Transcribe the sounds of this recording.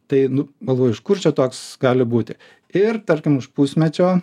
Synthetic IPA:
t̪ɐɪnʊɡɐlˠʋoːjʊɪʃkʊrt͡ʃʲɛt̪oːksɡɑːlʲɪbuːt̪ʲɪ | ɪrt̪ɐɾʲkʲɪmʊʃpusʲmʲɛt͡ʃʲoː

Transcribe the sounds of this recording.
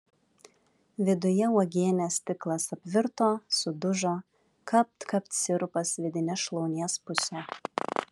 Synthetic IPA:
ʋʲɪd̪ʊjɛuɔɡʲeːnʲɛst̪ʲɪklˠɐsɐpʲʋʲɪɾt̪oːsʊd̪ʊʒoː | kɐp̚t̪kɐp̚t̪sʲɪɾʊpɐsʋʲɪd̪ʲɪnʲɛsʃlˠɔʊnʲiɛspʊsʲɛ

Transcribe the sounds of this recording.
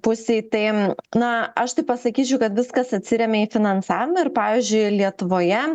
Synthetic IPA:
pʊsʲeɪt̪ɐɪnɐɐʃt̪ɐɪpɐsɐkʲiːt͡ʃʲɛʊkɐt̪ʋʲɪskɐsɐt̪ʲsʲɪɾʲɛmʲɛiːfʲɪnɐnsɑːʋʲɪmɐɪɾpɑːʋʲizʲd͡ʒʲʊɪlʲiɛt̪ʊʋoːjɛ

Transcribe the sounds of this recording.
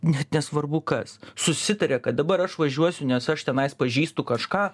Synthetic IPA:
nʲɛt̪nʲɛsʋɐrbʊkɐssʊsʲɪt̪ɐɾʲɛkɐt̪̚d̪ɐbɐɾɐʃʋɐʒʲuɔsʲʊnʲɛsɐʃt̪ʲɛnɐɪspɐʒʲiːst̪ʊkɐʃkɑː

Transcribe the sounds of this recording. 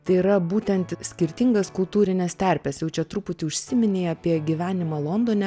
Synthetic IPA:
t̪ɐɪiɾɐbuːt̪ʲɛnt̪sʲkʲɪɾʲt̪ʲɪŋɡɐskʊlˠt̪uːɾʲɪnʲɛst̪ʲæˑɾʲpʲɛsjɛʊt͡ʃʲɛt̪ɾuːpʊt̪ʲɪʊʃʲsʲɪmʲɪnʲeːɐpʲiɛɡʲiʋʲæːnʲɪmɑːlˠoːnd̪oːnʲɛ

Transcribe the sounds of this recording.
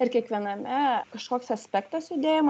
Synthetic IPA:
ɪɾkʲiɛkʋʲiɛnɐmʲɛkɐʃkoːksɐsʲpʲɛkt̪ɐsjʊd̪ʲeːjom

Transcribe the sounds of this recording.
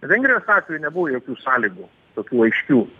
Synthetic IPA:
ʋʲɛŋɡɾʲɪjoːsɑːt̪ʲʋʲejʊnʲɛbʊʋojoːkʲuːsɑːlʲiːɡuː | t̪oːkʲuːɐɪʃʲkʲuː

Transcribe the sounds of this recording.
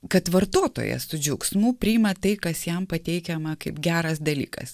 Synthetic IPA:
kɐt̪ʋɐɾt̪oːt̪o̰ːjɛ̰sʊd͡ʒʲʊksmuːpʲɾʲiːɪmɐt̪ɐɪkɐsjɛmpɐt̪ʲɛɪkʲɛmɐkɐɪpɡʲæːɾɐsd̪ɐlʲḭːkɐ̰s

